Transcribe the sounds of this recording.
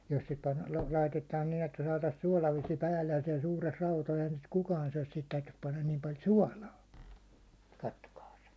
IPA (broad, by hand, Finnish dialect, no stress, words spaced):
jos se pɑn lɑitetɑːn nin etːæ sɑːtɑs suɑˑlɑʋesĭ pæːlːej jɑ siɛl suːres e̥i̥hæn̥ sit kukɑːn syæ̹s sihit tæytys pɑnːɑn niːm pɑl suɒlɑː kɑtːokɑːs